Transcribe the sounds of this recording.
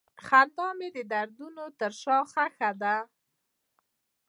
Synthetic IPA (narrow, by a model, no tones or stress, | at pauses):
xand̪ɑmed̪əd̪aɾd̪unot̪əɾʃɑxaxad̪a